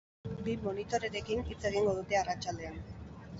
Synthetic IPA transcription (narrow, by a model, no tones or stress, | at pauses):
bimo̞nit̪o̞ɾe̞ɾe̞kinit͡se̞ɣ̞iŋɡo̞ð̞ut̪e̞arat͡ʃald̪e̞an